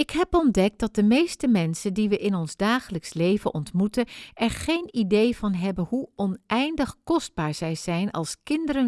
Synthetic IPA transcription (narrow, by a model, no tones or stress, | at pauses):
ɪkɦɛpɔndɛk̚dɑt̚dəmejstəmɛnsəndiʋəʔɪnɔnzdaːχələkslejvənʔɔntmutənʔɛɹχejnidejvɑnɦɛbənɦuɔnɛjndəχkɔsd̚baːɹz̥ɛjz̥ɛjnɑ̰lˠskɪndəɾə